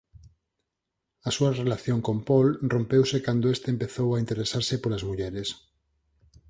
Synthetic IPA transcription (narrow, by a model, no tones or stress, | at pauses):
ɐsuɐrelaθjoŋkompolrompewsekand̪oest̪eːmpeθowaint̪eɾesaɾsɪpolazmuʎɛɾes